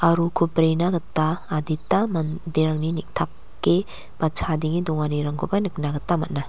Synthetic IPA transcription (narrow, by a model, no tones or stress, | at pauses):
aɾukʰupɾenaɡɐtːaːditamɐndiɾaŋninik̚tʰakːe | b̥at͡ʃʰadiŋidɔŋaniɾaŋɡʰubanɯk̚naɡɐtːamɐt̚na